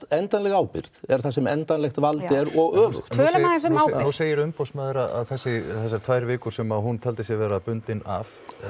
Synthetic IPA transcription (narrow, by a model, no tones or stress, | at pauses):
ɛnt̪anlɛɣaːwpɪ̰ɾðɛɾ̥θasɛmɛnt̪anlɛxt̪valt̪ɛɾɔɣœːvʏ̰xt̪ʰœːlamaɣɪnsɛmawnuseːjɪɾʏmpowsmaðɪɾaa̰ðkʰɛsɪθɛsːḁt̪ʰvaːjɾvɪːkʏɾsɛmaɦunt̪ʰɛlt̪ɪsjɛvɛːɾapʏnt̪ɪna̰v